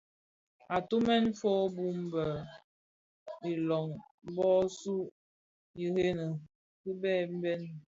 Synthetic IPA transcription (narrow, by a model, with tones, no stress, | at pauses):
a˨tu˦mɛ˦nfo˦bu˦m̩˦bə˨ | i˨lɔ˨ŋ | m̩˦bɔ˦su˦ | ji˨he˦nə˨ | ki˦bɛː˦˨m̩˦bɛ˦n˨